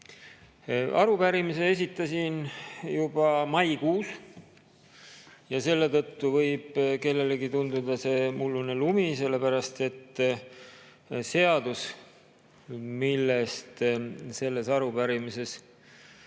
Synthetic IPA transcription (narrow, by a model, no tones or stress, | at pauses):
ʔɑɾupæɾimise̞es̬ʲit̪ːˑɑsinjub̥ɑmɑjkuːs | jɑse̞lːet̪ɤt̪ːuvɤjb̥ke̞lːe̞leɡit̪und̪ud̪ɑse̞mulːunelumise̞lːe̞pæɾɑst̪e̞t̪ː | se̞ɑd̪̥us | milːest̪se̞lːe̞sɑɾupæɾimise̞s